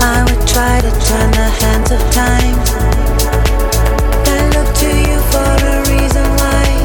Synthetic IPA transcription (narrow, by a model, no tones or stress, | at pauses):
aɪwɨd̚tʰɹ̥aɪɾɨtʰɜ̃˞nðəhæ̃ndzʌv̥tʰãɪ̃m | ðalʊk̚tʰɨjɨfə˞ɨɹizə̃nwaɪ